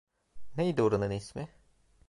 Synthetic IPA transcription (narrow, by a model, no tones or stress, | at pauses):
nejid̪uɾunɯnismɪ